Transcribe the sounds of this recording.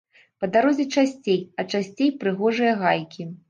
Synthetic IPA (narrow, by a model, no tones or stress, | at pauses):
pɐd̪aɾɔzʲɛt͡ʂasʲt͡sʲejɐt͡ʂasʲt͡sʲejpɾɨɣɔʐɨjɐɣajkʲi